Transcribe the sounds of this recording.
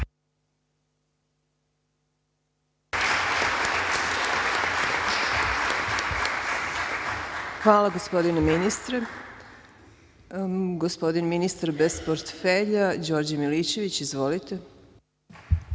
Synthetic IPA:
xʋaːlaɡospo̞d̪ineminist̪ɾe | ɡospo̞d̪inminist̪aɾbespoɾt̪feʎad͡ʑo̞ːɾd͡ʑamiliːt͡ɕe̞ʋit͡ɕizʋo̞lit̪e

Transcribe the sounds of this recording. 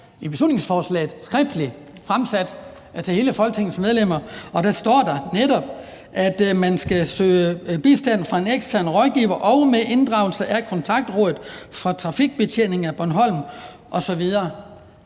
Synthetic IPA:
ib̥e̝slṵne̝ŋsfɒːslɛ̰ːɪð̩ˠsɡ̥ʁɛfd̥əli | fʁamsæd̥ | t͡sʰe̝he̝ːləfɒ̽lɡ̥̚t͡sʰe̝ŋ̰n̩smeð̞ˠlem̰ɐɒ̽d̥æsd̥ɒ̰ːd̥ɑ̈neɾɒ̽b̥ | ʔæd̥mænsɡ̥æsø̰ːəb̥isd̥æn̰fʁɑ̈e̝neɡ̥stʰæɐ̰nʁɒ̽ðˠɡ̥ḭːʊɐʔɒ̽ʊmeʔe̝nd̥ʁɑ̈ʊl̩səʔækʰɒ̽nt͡sʰɑ̈ɡ̥̚d̥ʁɔ̽ːðˠð̩ˠfʁɑ̈t͡sʰʁɑ̈fiɡ̥̚b̥e̝t͡ɕʰene̝ŋ̩æb̥ɒnɦɒ̽l̰m | ʔɒ̽sɒ̽ʋið̞ˠɐ

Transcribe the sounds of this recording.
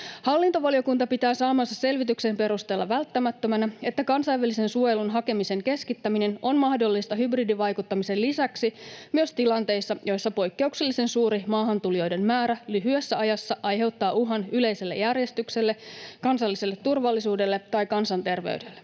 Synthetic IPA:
hɑlːint̪oʋɑlijo̞kunt̪ɑpit̪æːsɑːmɑnsɑsse̞lʋit̪yksempe̞ɾust̪e̞ːlːɑʋælt̪ːæmæt̪ːømænæe̞t̪ːækɑnsɑjʋælise̞nsuojelunɦɑke̞mise̞ŋke̞skit̪ːæmine̞no̞nmɑhdo̞lːist̪ɑɦybridiʋɑjkut̪ːɑmise̞lisæksimyøst̪ilɑnt̪e̞jsːɑjʔo̞jsːɑpo̞jkːe̞ukselːise̞nsuːɾimɑːɦɑnt̪ulijo̞jde̞nmæːɾælyɦyæsːæɑjɑsːɑʔɑjɦe̞wt̪ːɑːuɦɑnyle̞jse̞lːejærje̞st̪ykse̞lːe̞kɑnsɑlːise̞lːet̪ːurʋɑlːisuːde̞lːe̞t̪ɑjkɑnsɑnt̪e̞rʋḛyde̞lːe

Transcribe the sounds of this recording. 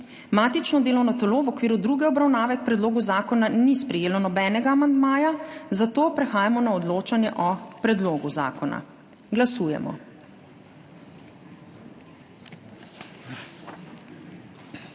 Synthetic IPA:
maːt̪it͡ʃnɔd̪eːlɔwnɔt̪ɛloːʋɔkʋiːɾud̪ɾuːɡɛɔbɾawnaːʋɛk̚pɾɛd̪loːɡuzaːkɔnanispɾɛjeːlɔnɔbɛːnɛɡaːmand̪maːjazat̪oːpɾɛxaːjamɔnaɔd̪loːt͡ʃanjɛʔɔpɾɛd̪loːɡuza̰ːkɔna̰ | ɡlasuːjɛ̰mɔ̰

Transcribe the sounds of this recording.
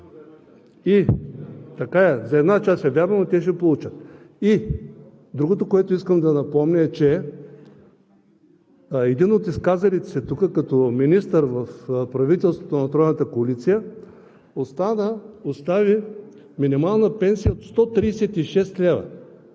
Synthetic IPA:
i | t̪ɐkaɛzɐɛd̪nat͡ʃasɛvʲjaɾmɐmot̪ɛʃ̬ɛpolˠut͡ʃət̪ | i | d̪ɾuɡot̪okoɛt̪oiskəmd̪ɐnɐpɔmnʲəɛt͡ʃɛ | ɛd̪inot̪iskazɐlit̪ɛ̥sɛt̪ukəkɐt̪ɔminist̪əɾvɐfpɾɐvit̪ɛlˠst̪vot̪onɐt̪ɾɔjnət̪əkoːlit̪sijə | ost̪anəost̪avi | minimalˠnəpɛnsijəot̪st̪ɔt̪ɾiːsɛt̪iʃɛst̪lʲɛvɐ̰

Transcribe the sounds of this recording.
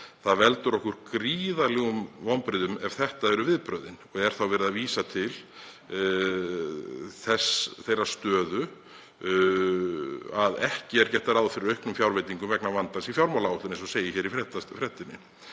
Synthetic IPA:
θaðvɛlt̪ʏɾɔhkʏɾ̥kɾiːðalɛɣʏmvɔwmpɾɪðʏmɛv̥θɛht̪aɛɾʏvɪðpɾœːðɪnɔɣɛɾ̥θawvɛɾʏðaviːsat̪ʰɪl | θɛsθejrast̪œːðʏ | aðɛhcɪɛɾ̥cɛht̪ːaɾaːwðfɪɾɪɾœjhknʏmfjawɾvejt̪iŋkʏmvɛknavant̪ansifjawɾmawlaɔht̪ʏɾnɛnsɔseːjɪçɛːɾifɾɛt̪afɾɛht̪ːɪnːɪ̰

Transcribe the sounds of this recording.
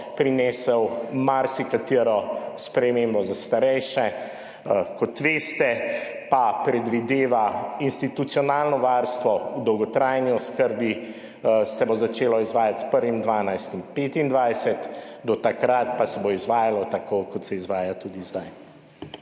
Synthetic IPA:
pɾineːsɛwmaɾsikat̪iɾɔspɾɛmembɔzast̪aɾɛjʃɛ | kɔt̪ʋeːst̪ɛ | papɾɛd̪ʋid̪eːʋainst̪it̪ut̪sijɔnaːlnɔʋaɾst̪ʋɔud̪ɔwɡɔt̪ɾajniɔskəɾbi | sɛbozat͡ʃeːlɔizʋaːjat̪spəɾʋimd̪ʋaːnajst̪impeːt̪ind̪ʋajsɛt̪d̪ɔt̪akɾat̪pasɛboizʋaːjalɔt̪akokɔt̪sɛizʋaːjat̪uːd̪izd̪aj

